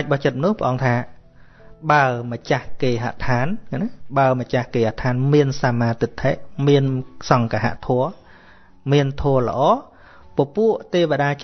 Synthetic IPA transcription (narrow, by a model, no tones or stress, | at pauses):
ac̚ɓɑht͡ɕət̪̚mənʊ̆əhpʰə̆ʔɑːŋt̪ʰaː | ɓaəmət͡ɕahkeːɦa̰ʔt̪ʰaːnanaɓaəmət͡ɕahkeːhat̪ʰaːnmiənsaːmaːt̪it̪ʰːeːʔmiənsɑŋkaɦa̰ʔt̪ʰɔə | miənt̪ʰɔələ̰̆ʔɑː | pŏpuəʔt̪eːʋaɗaːt͡ɕ